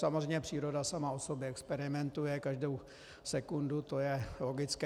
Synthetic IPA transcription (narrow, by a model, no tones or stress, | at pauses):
samozr̝ɛjɲɛpr̝̥iːɾo̞dasamaosobjɛɛkspɛɾɪmɛnt̪ujɛkaʒdow | sɛkundut̪o̞jɛlo̞ɡɪt͡skɛ